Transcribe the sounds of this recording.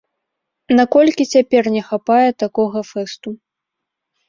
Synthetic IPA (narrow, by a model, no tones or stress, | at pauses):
nakɔlʲkʲit͡sʲapʲɛrnʲɛxapajɛt̪akɔɣɐfɛst̪u